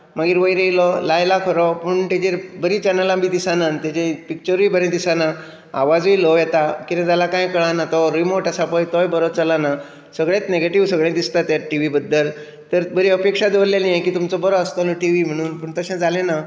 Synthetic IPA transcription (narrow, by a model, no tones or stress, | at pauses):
maɡiːɾʋəjɾejlɔlajlakʰəɾɔpuɳt̪ed͡ʑebəɾĩt͡ɕɛnəlamĩːd̪isanant̪ɛd͡ʑepik̚t͡ɕəɾʋiːbəɾẽd̪isana | aʋad͡zʋilɔʋjɛt̪akit̪ẽt̪jalakãjkəɭanat̪ɔɾimoɾʈasapəjt̪ɔjbəɾɔt͡səlana | səɡɭẽt̪neɡeʈiʋsəɡɭẽd̪ist̪at̪jaʈiʋibəd̪ːəl | t̪əɾbəɾiəpekʂad̪eʋəɾljalijajkiːt̪umt͡sɔbəɾɔəst̪ɔlɔʈiʋim̤əɽ̃uːnpəːɳt̪əɕẽd͡zalẽna